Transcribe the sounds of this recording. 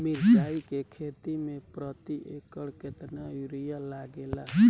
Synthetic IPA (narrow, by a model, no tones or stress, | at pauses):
miɾsaikekʰet̪imẽpɾət̪iʔekəɭket̪najuɾijalaɡela